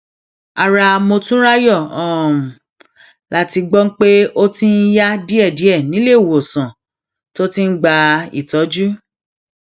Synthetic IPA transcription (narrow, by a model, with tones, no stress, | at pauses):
a˨ɾa˧mo˧tũ˦ɾa˦jɔ˦˨ɔ̃˨ | la˦ti˧ɡ͡bɔ˦ŋ̩˦k͡pe˦o˦tĩ˦n̩˦ja˦di˦ɛ˦˨di˨˦ɛ˦˨nĩ˨˦le˦˨wo˨sã˨ | to˦tĩ˦n̩˦ɡ͡ba˧ḭ˦˨tɔ˨˦d͡ʒu˦